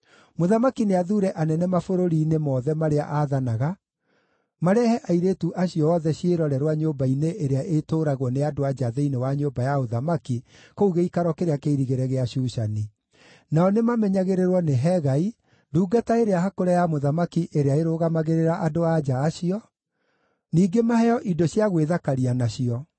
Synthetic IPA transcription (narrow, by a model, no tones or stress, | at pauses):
moðamakineaðuːɾɛʔanɛnɛmafoɾoɾiːnemɔːðɛmaɾea̰ʔaðanaɣa | maɾɛhɛʔaiɾetuʔaɕiɔɔðɛɕieɾɔɾɛɾwaɲoːmbaineʔeɾeaʔetoːɾaɣɔneadoad͡ʒaðeinewaɲoːbajaoðamakikouɣeikaɾwɔkeɾeakeiɾiɣeɾɛɣeaɕuːʃani | naɔnemamɛɲaɣeɾeɾwɔneɦɛɣai | duːɡataeɾeaɦakoɾejamoðamakiʔeɾeaeɾoːɣamaɣeɾeɾaʔadoad͡ʒaːɕiɔ | niːɡemahɛjɔʔidoɕjaɣweðakaɾianaɕiɔ